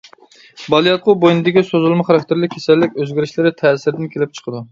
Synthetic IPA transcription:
bɑlˠijɑt̪̚qʊbojnɨd̪ɪkʲisozulˠmɨχɑɾɑk̚ʲt̪ʰɪɾlɪkʲʰːesɛlːɪkʲøzɡʲɪɾɪʃlɪɾɪt̪ʰɛːsɪɾɪd̪ɪnkʲʰelɪp̚t͡ʃʰə̥qʰəd̪u

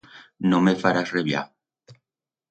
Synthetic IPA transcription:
nõmefaɾasreβja̰

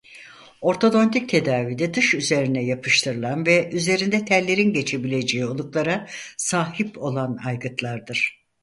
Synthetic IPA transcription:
o̞ɾt̪ʰo̞d̪o̞nt̪ʰic̚t̪ʰe̞d̪aːviːd̪ɛd̪ɯʃyze̞ɾinɛjapʰɯʃt̪ʰɯɾɯlˠanvɛʔyze̞ɾind̪ɛt̪ʰæɾlʲːe̞ɾinɟe̞t͡ʃʰe̞bilʲe̞d͡ʒeio̞lˠuklˠaɾasaːhipo̞lˠana̰jɡɯt̪ʰlˠaɾd̪ɯɾ̥

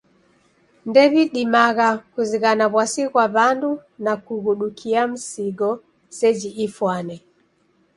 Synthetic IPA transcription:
ndɛβiɗimaɣakuziɣanaβwasiɣwaβandunakuɣuɗukʰiam̩siɡɔ | sɛd͡ʒiʔifwanɛ

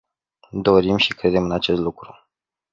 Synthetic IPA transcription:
d̪o̞ɾimʃikɾe̞d̪e̞mɨnat͡ʃe̞st̪lukɾu

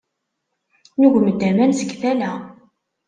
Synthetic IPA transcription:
nuʝməd̪ːæmænsəɡθælæ

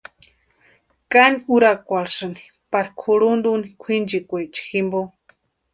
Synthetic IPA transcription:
kaniuɾakʷaɾsɨni̥ | paɾkʰuɾund̪unikʷʰind͡ʒikʷet͡ʃi̥ximbo

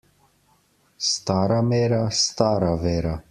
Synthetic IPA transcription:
st̪aːɾamɛːɾast̪aːɾavɛːɾa

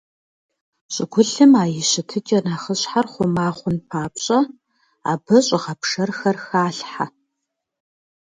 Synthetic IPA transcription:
ɕʼɪɡʷʊɬɨmaːjɪɕɪtʰɨt͡ʃʼɐnaːχəɕħarχʷʊmaːχʷʊnpʰaːpɕʼɐ | a̰ːbɐɕʼɪʁɐpʰʂɐrxɐrxaːɬħa

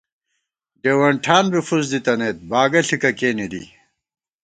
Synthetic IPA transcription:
ɖeːwɐɳʈʰaːnbifuzd̪it̪ɐneːt̪̚baːɡɐɬikɐkeːnid̪ḭ

